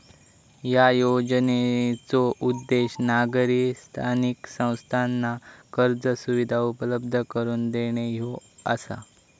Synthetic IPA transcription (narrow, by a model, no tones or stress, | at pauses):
jajod͡ʑnet͡soʔud̪ːeɕnaɡɾist̪ʰaniksə̃w̃st̪ʰanːakəɾd͡zəsuʋid̪ʱaupələb̚d̪ʱəkəɾuːnd̪eɽ̃ejoə̰sa̰